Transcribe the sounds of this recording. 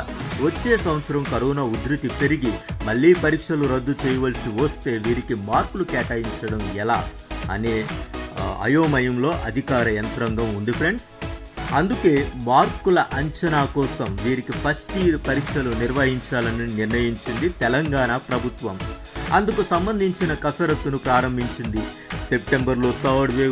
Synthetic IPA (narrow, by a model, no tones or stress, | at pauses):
ʋot͡ʃːeːsɐʋɐt̪sɐɾɐmkɐɾɔːnaːud̪ɾit̪ipe̞ɾiɡimɐɭːiːpɐɾiːkʂɐluɾɐd̪ːut͡ʃɛːjɐʋɐlsiʋɐst̪e̞ːʋiːɾikimaːɾkulukɛːʈaːjiɲt͡ʃɐɽɐmɛlaː | ɐ̰neː | ɐ̰joːmɐjɐmlo̞ːʔɐd̪ʱikaːɾɐjɐnt̪ɐɾɐŋɡɐmund̪ipʰɾe̞ɳɖs | ɐnd̪uke̞ːmaːɾkulɐʔɐɲt͡ʃɐnaːkɔːsɐmʋiːɾikipʰɐsʈipɐɾikʂɐluniɾʋɐɦiɲt͡ʃaːlɐniniɾnɐjiɲt͡ʃind̪it̪ɛlɐŋɡaːnapɾɐbʱut̪ʋɐm | ɐnd̪ukusɐmbɐnd̪ʱiɲt͡ʃinɐkɐsɐɾɐt̪ːunupɾaːɾɐmbʱiɲt͡ʃind̪i | se̞p̚ʈe̞mbɐɾlo̞ːt̪ɐːɽʋeː